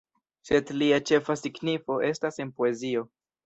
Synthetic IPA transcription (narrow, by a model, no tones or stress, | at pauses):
se̞dliat͡ʃe̞fasiɡnifo̞ʔe̞stase̞npo̞e̞zio̞